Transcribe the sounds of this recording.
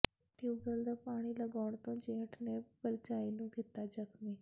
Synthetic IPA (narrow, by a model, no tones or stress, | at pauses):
ʈuːɡəld̪aːpaːɽ̃iːləɡaːɳ̃t̪õːd͡ʒẽːʈʰneːpəɾd͡ʒaːiːnũːkɪt̪ːaːd͡ʒəkmiː